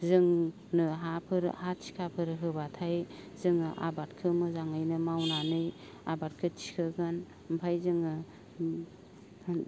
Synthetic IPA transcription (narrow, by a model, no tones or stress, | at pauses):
zɯŋ | nɯɦapʰɯɾ̰hat͡ʃʰi̥kʰapʰɯɾɦɯbatʰajzɯŋɯʔa̰bat̚kʰɯmɯzaŋɯjnɯmawnanɯj | abat̚kʰɯt͡ʃʰi̥kʰɯɡɯn | mpʰajzɯŋɯ